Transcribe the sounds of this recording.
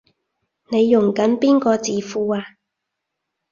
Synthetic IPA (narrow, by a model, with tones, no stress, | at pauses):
ne˨˧jːʊ˨˩ŋkɐ˨˥npiː˥nkɔː˧t͡siː˨˧fuː˧aː˧